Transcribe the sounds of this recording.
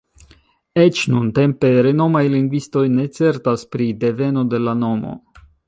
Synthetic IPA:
e̞t͡ʃnunte̞mpe̞ɾe̞no̞majliŋɡvisto̞jne̞t͡se̞ɾtaspɾide̞ve̞no̞de̞lano̞mo̰

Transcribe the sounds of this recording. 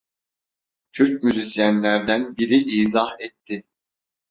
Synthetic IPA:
t̪ʰyɾc̚myzisjænlʲæɾd̪ænbiɾiʔiːzahɛt̪ʰːɪ

